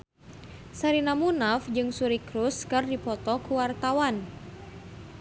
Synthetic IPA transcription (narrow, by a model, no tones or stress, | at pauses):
saɾinamunafd͡ʒɨŋsuɾikɾuskɨrdipɔt̪ɔkuwart̪awan